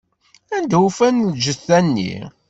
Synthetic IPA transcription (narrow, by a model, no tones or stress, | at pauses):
ænd̪ufænld͡ʒəθænːḭ